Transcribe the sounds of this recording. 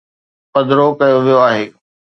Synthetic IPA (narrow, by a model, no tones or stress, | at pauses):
pɐd̪ɪɾokɐjoʋijoaːɦeː